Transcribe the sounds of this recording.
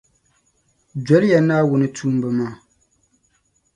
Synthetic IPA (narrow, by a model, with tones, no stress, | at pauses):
d͡ʒɛ˨˦lja˨naː˦wʊ˨nɨ˦tʰuː˦m˦bɨ˨maː˦˨